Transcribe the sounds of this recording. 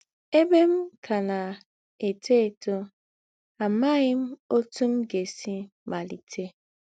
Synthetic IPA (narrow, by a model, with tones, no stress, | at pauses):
e˦be˦m̩˦kʰa˨na˨ | e˨te˦e˨to˦ | a˨ma˦ɣɪ˦m̩˦o˦tu˦m̩˦ɡe˨si˦ | ma˨li˨tʰe˦